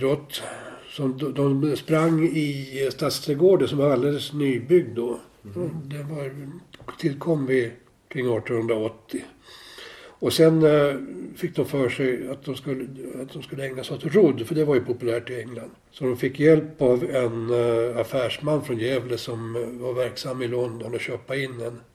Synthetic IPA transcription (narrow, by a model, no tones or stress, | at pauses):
d̪ɾɔt̪ː | sɔmd̪ɔmspɾaŋːɪst̪at̪st̪ʰɾɛɡoːɖəsɔmaald̪eːlːəsnyːbʏɡ̚d̪ːɔ | d̪ɛvɑɾt̪ʰɪlkʰɔmːvɪ | kʰɾɪŋːɑːt̪ːɔnhɵnd̪ɾaɔt̪ʰːɪ | ɔsɛn | fɪkːd̪ɔmfœːʂɛjat̪̚d̪ɔmskɵlːat̪̚d̪ɔmskɵlːəɛŋnasɔt̪ɾʊd̪ːfœɖɛvaɾjɵpʰʊpɵlæːʈɪɛŋland̪ | sɔd̪ɔmfɪkːjɛlpavɛnafæːʂmanːfɾɔnjɛːvləsɔmvaɾvæɾksamːɪlɔnd̪ɔnɔɕøːpaɪnːɛn